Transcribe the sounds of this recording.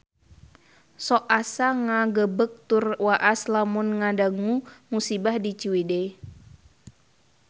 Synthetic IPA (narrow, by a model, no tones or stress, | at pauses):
sɔʔasaŋaɡəbək̚t̪urwaʔaslamunŋadaŋumusibahdit͡ʃiwide